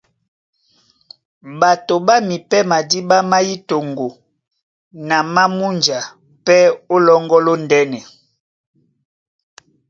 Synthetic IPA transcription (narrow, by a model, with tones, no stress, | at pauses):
ba˨to˨ba˦mi˨pɛ˦ma˨di˦ba˦ma˦ji˦to˨ŋɡo˨ | na˨ma˦mu˦nd͡ʒa˨ | pɛ˦o˦lɔ˦ŋɡɔ˦lo˦ndɛ˦nɛ˨